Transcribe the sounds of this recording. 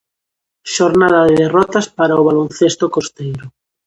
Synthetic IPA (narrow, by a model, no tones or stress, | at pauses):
ʃoɾnaðaðeðerɔt̪aspaɾaoβ̞alonθest̪okost̪ejɾo